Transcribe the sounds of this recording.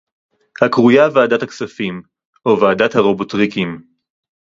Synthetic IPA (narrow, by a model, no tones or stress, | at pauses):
hakʁujavaːdathaksafim | ovaːdathaʁobotʁikim